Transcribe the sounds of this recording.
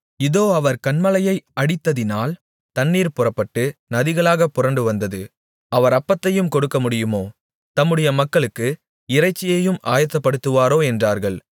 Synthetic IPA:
ɪðoːɐʋɐɾkɐɳmɐlɐjɐɪɐɽɪt̪ːɐðɪnaːl | t̪ɐnːiːɾpʊrɐpːɐʈːɯnɐðɪɣɐɭaːɣɐpːʊrɐɳɖɯʋɐnd̪ɐðɯ | ʔɐʋɐɾɐpːɐt̪ːɐjɯmkɔɽɯkːɐmʊɽɪjɯmoː | t̪ɐmːɯɽɐjɐmɐkːɐɭɯkːɯ | ɪrɐɪt͡ʃːɪjɐjɯmʔaːjɐt̪ːɐpːɐɽɯt̪ːɯʋaːɾoːɛndraːɾɣɐɭ

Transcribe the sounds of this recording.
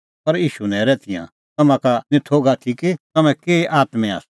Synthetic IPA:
pɐɾjiːʃunɛ̃ɾɛt̪ʰɪjã̰ | t̪ɐmãkanɪ̃t̪ʰoːɡat̪ʰikit̪ɐmɛ̃keːʔaːt̪mɛa̰ːs

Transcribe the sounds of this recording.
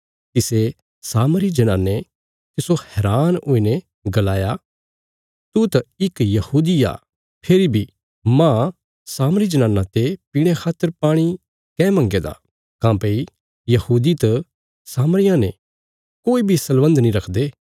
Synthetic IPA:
t̪ɪse | saːmɾid͡ʒɐnaːnːe | t̪ɪsohɛːɾaːnoːine | ɡɐlaːja | t̪ut̪ɐɪkjɐhuːd̪ia̰ː | pʰeɾibʱi | mã | saːməɾid͡ʒɐnaːnːãt̪epiːɽ̃ekʰaːt̪ːəɾpaːɽ̃i | kɛ̃ːmɐ̃ŋɡed̪a̰ | kãːpei | jɐhuːd̪it̪ɐ | saːmɾɪjãne | koːibʱisɐlʋə̃nd̪nĩɾɐkʰd̪eː

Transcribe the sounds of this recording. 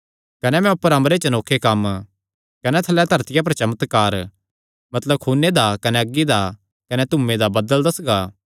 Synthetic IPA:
kɐnɛmɛ̃ʊpːəɾɐ̃mɾet͡ʃɐnoːkʰːekɐm | kɐnɛt̪ʰɐlɛd̪ʱɐɾt̪ɪjap̬ɐɾt͡ʃɐmət̪kaːɾ | mɐt̪ləb̚kʰuːnːed̪akɐnɛɐɡːid̪a | kɐnɛt̪ʊmẽd̪abɐd̪əld̪ɐsɡaː

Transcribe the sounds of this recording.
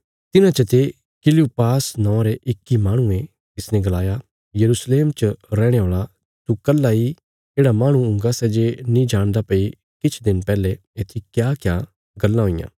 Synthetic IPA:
t̪ɪnãt͡ʃɐt̪e | kɪliupaːsnɔ̃ːɾeʔɪkːimaːɽ̃ũẽ | t̪ɪsnɛ̃ɡɐlaːja | jɐɾusleːmt͡ʃɐɾɛːɽ̃eɦoːɭa | t̪ukɐlːai | d͡ʒeːɽamaːɽ̃ũʊ̃ŋɡasɛːd͡ʒenĩd͡ʒaːɽ̃d̪apɐi | kɪt͡ʃʰd̪ɪnpɛːle | eːt̪ʰikjaːkjaː | ɡɐlːãɦoɪjã̰ː

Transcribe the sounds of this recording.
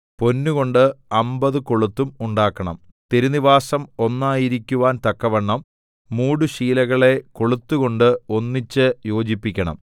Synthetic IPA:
po̞nːuɣo̞ɳɖɨɐmbɐðɨkoɭut̪ːumuɳɖaːkːɐɳɐ̰m | t̪e̞ɾuniʋaːsɐmo̞nːaːjiɾikʲːuʋaːnt̪ɐkːɐʋɐɳːɐmː | uːɽuɕiːlɐɣɐɭe̞koɭut̪ːuɣo̞ɳɖɨo̞nːit͡ɕːɨjo̞ːd͡ʑipːikʲːɐɳɐ̰m

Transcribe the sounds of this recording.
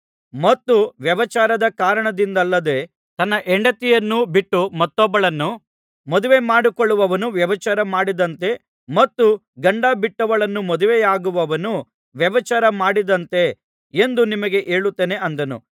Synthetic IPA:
mɐt̪ːuʋjɐʋɐt͡ʃaːɾɐd̪ɐkaːɾɐɳɐd̪ind̪ɐlːɐd̪e̞ː | t̪ɐnːɐʔɛɳɖɐt̪ijɐnːubiʈːumɐt̪ːɔbːɐɭɐnːu | mɔd̪uʋe̞maːɽikoɭːuʋɐʋɐnuʋjɐʋɐt͡ʃaːɾɐmaːɽid̪ɐnt̪e̞ | mɐt̪ːu | ɡɐɳɖabiʈːɐʋɐɭɐnːumɔd̪uʋejaːɡuʋɐʋɐnu | ʋjɐʋɐt͡ʃaːɾɐmaːɽid̪ɐnt̪e̞ | end̪unimɐɡe̞ʔeːɭut̪ːeːne̞ʔɐnd̪ɐnṵ

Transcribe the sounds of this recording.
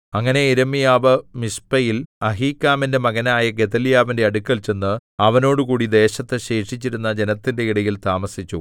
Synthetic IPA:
ɐŋːɐne̞iɾɐmːijaːʋɐmispɐjilɐɦiːkːaːminde̞mɐɣɐnaːjɐɡeðɐlijaːʋinde̞ɐɽukːɐlt͡ɕe̞nːɨɐʋɐno̞ːɽukuːɽid̪e̞ːɕɐt̪ːeɕe̞ːʂit͡ɕːiɾunːɐd͡ʑe̞nɐt̪ːinde̞iɽɐjilt̪aːmɐsit͡ɕːṵ

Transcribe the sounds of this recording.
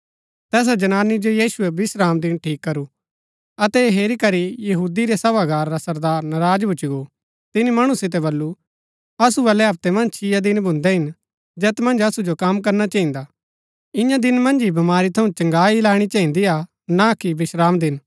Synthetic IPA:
t̪ɛːs̬ad͡ʒɐnaːnid͡ʒojiːsʊebɪsɾaːmd̪ɪnʈʰiːkːɐɾu | ɐt̪ɛɦeːɾikɐɾijɐɦuːd̪iɾesɐʋaɡaːɾːasɐɾd̪aːɾnɐɾaːd͡ʒbʱʊt͡ʃiɡo | t̪ɪnimɐɽ̃ũsɪt̪̬ɛbɐlːu | ɐsubɐlɛɦɐp̚t̪emɐ̃nd͡ʒt͡ʃʰɪjad̪ɪnbʱʊ̃nd̪ɛɦɪn | d͡ʒɛːt̪mɐ̃nd͡ʒɐsud͡ʒokɐmk̬ɐɾnat͡ʃɐ̃ːɪ̃nd̪a | ɪ̃jãd̪ɪnmɐ̃nd͡ʒibɐmaːɾit̪ʰɐũt͡ʃɐ̃ŋɡaːilaːɽ̃it͡ʃɐːĩnd̪ija | nakibɪsɾaːmd̪ɪn

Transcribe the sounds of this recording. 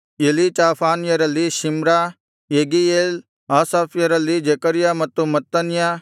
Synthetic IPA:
elit͡ʃaːpʰaːnjɐɾɐliʃɪmɾa | jeːɡieːl | aːsaːpjɐɾɐlid͡ʒekəɾɪjamɐt̪ːumɐt̪ːɐnɪjaː

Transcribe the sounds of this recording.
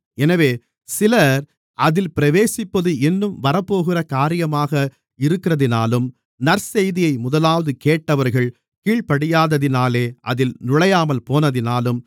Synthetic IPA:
ɛnɐʋeː | sɪlɐɾ | ʔɐðɪlpɪɾɐʋeːsɪpːɐðɯɛnːɯmʋɐɾɐpːoːɣɪrɐkaːɾɪjɐmaːɣɐ | ɪɾɯkːɪrɐðɪnaːlɯm | nɐɾsɛjðɪjɐɪmʊðɐlaːʋɐðɯkeːʈːɐʋɐɾɣɐɭ | kiːɭpɐɽɪjaːðɐðɪnaːleːʔɐðɪlnʊɭɐjaːmɐlpoːnɐðɪnaːlɯm

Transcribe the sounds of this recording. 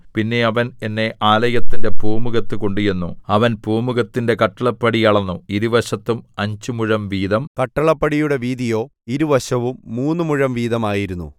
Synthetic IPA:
pinːe̞ɐʋɐne̞nːe̞ʔaːlɐjɐt̪ːinde̞poːmuɣɐt̪ːɨko̞ɳɖijunːṵɐʋɐnpuːmuɣɐt̪ːinde̞kɐʈːɐɭɐpːɐɽiɐɭɐnːuiɾuʋɐɕɐt̪ːumɐɲd͡ʑumuɻɐmʋiːd̪ɐmkɐʈːɐɭɐpːɐɽijuɽe̞ʋiːd̪ijo̞ːiɾuʋɐɕɐʋumːuːnːɨmuɻɐmʋiːðɐmaːjiɾunːṵ

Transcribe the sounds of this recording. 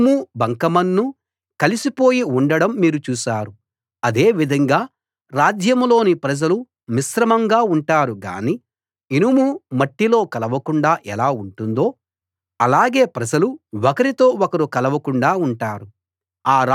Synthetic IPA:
mubʱɐŋkɐmɐnːu | kɐlisipo̞ːjiuɳɖɐɽɐmːiːɾut͡ʃuːsaːɾu | ɐd̪e̞ːʋid̪ʱɐŋɡaː | ɾaːd͡ʒjɐmlo̞ːnipɾɐd͡ʒɐlu | misɾɐmɐŋɡaːuɳʈaːɾuɡa̰ːniː | inumumɐʈːilo̞ːkɐlɐʋɐkuɳɖaːʔɛlaːuɳʈund̪o̞ː | ɐlaːɡe̞ːpɾɐd͡ʒɐluwɔkɐɾit̪o̞ːɔkɐɾukɐlɐʋɐkuɳɖaːuɳʈaːɾu | aːɾ

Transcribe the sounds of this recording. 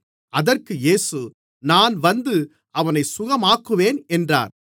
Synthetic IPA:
ɐðɐrkɯjeːsɯ | naːnʋɐnd̪ɯ | ɐʋɐnɐɪsʊɣɐmaːkːɯʋeːnɛndra̰ːn

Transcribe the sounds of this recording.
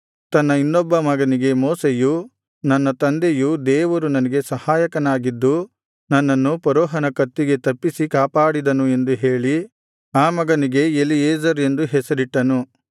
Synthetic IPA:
t̪ɐnːɐinːɔbːɐmɐɡɐniɡe̞mɔːseju | nɐnːɐt̪ɐnd̪ejud̪eːʋɐɾunɐnɐɡe̞sɐhaːjɐkɐnaːɡid̪ːu | nɐnːɐnːupɐɾɔːɦɐnɐkɐt̪ːiɡe̞t̪ɐpːisikaːpaːɽid̪ɐnue̞nd̪uɦe̞ːɭi | aːmɐɡɐniɡe̞elieːd͡ʒɐɾe̞nd̪uɦɛsɐɾiʈːɐnu

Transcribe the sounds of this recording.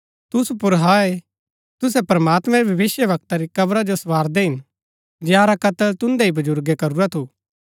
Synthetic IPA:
t̪ʊsupʊɾɦaːe | t̪ʊs̬ɛpɾɐmaːt̪mɛ̃ɾibʱɐʋɪsjəʋɐk̚t̪aɾikɐbɾad͡ʒosʋaːɾd̪eɦɪn | d͡ʒeãɾakɐt̪əlt̪ʊ̃nd̪eibɐd͡ʒʊɾɡekɐɾuɾat̪ʰu

